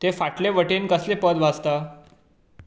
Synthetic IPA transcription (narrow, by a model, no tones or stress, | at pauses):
t̪efaʈleʋəʈenkəslepəd̪ʋad͡zt̪a